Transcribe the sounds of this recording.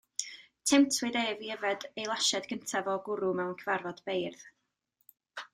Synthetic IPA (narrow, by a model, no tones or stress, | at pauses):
tʰɪmtʰwɨdeviɛvɛdejlˠaʃɛdɡəntʰavɔɡʊɾumɛwnkʰəvarvɔd̥b̥ejrð̥